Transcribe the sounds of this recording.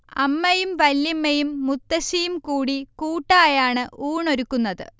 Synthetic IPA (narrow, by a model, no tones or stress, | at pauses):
ɐ̰mːɐjumʋɐlːimːɐjumːut̪ːɐɕijumkuːɽikuːʈːaːjaːɳɨʔuːɳo̞ɾukːunːɐðɨ̰